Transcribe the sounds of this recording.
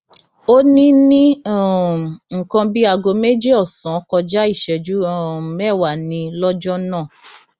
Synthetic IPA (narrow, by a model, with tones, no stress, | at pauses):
o˦nĩ˦nĩ˦˨ | ŋ̩˨kã˧bi˦a˧ɡo˧me˦d͡ʒe˦ɔ˦˨sã˨˦kɔ˧d͡ʒa˦i˦˨ʃɛ˨d͡ʒu˨˦˨mɛ˦˨wa˨nĩ˧lɔ˦d͡ʒɔ˦nãː˦˨